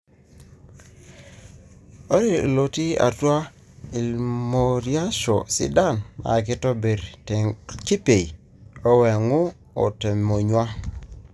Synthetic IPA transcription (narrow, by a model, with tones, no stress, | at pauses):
o˦ɾḭ˨lo˨ti˦a̰˨twa˦ | i˨lmo˨ɾja˦ʃo˨sḭ˦da˦˨na̰˨ki˦tɔ˦be˨ɾtki˦pe˨i˨ | o˦we˨ŋu˦ | o̰˨te˨mo˨ɲwa˦